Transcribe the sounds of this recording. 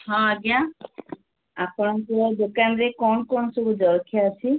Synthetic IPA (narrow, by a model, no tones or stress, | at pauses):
ɦɔ̃aɡja | apɔɽɔŋkud̪okanɾekɔnɔkɔɳɔsɔbud͡ʒɔɾkʰjaːsʰi